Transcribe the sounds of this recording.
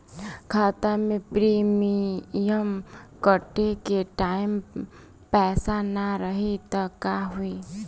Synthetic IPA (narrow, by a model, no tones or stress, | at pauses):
kʰaːt̪amẽpɾiːmijəmkəʈekeʈaːɪm | pɛːsanaɾəɦit̪ɔkaɦui